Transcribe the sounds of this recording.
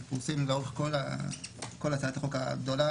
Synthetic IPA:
puʁsimlaʁuχkola̰ | ko̞lat͡saat̪aχoka̰ɡd̪o̞la

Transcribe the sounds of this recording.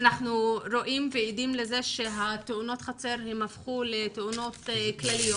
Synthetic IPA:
naχnuɾo̞ʔimveidimleze̞ʃe̞ɦat̪euno̞t̪χat͡se̞ɾhemhafχuleteuno̞tklalijo

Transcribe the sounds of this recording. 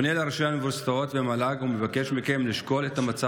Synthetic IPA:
nelaʁʃeamevust̪aot̪vemalaɡumevake̞ʃmikemliʃko̞let̪amat͡sa

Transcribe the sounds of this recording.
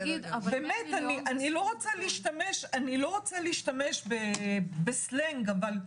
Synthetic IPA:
bemetaniʔanilo̞ʁot͡saliːʃtameʃanilo̞ʁot͡saliːʃtameʃbebesleŋɡaval

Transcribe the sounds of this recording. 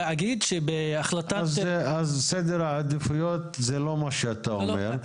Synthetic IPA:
aɡid̪ʃebeaχlat̪azazsed̪eɾaad̪ifujot̪zelomaʃeat̪aomḛɾ

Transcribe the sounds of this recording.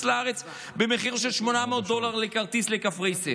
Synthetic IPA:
slaaʁet͡s | bemeχiʁʃelʃmo̞nameot̪̚d̪o̞laʁlekaʁt̪islekafʁejse

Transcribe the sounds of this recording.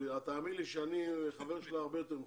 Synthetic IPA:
at̪aːmiliʃeanieχave̞ʁʃeliaʁbejot̪eʁm

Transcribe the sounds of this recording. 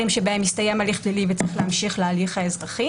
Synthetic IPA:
imʃebaemjist̪ajemaliχplilivet͡sʁiχleamʃiχlealiχhaezʁaχi

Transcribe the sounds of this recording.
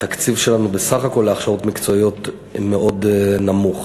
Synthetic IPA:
t̪akt͡sivʃe̞lanubesaχako̞lːeaχʃaʁotmikt͡so̞ijo̞t | meʔo̞dnamuχ

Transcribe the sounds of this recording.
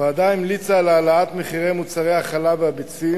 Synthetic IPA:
vead̪ajnmlit͡saːlːlaat̪meχiʁe̞jmut͡saʁejaχalabeabit͡si

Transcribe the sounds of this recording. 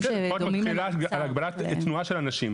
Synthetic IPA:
otmaχilaalaɡ̚baɾatt̪nuaʃelanaʃim

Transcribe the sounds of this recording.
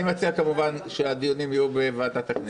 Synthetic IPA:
mat͡siakamuvanʃead̪ijonimijube̞vaːd̪at̪akni

